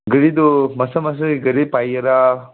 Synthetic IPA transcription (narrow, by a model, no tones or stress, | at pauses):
ɡəɽid̪umɐsɐmɐs̬ɐiɡɐɾipajɐɾa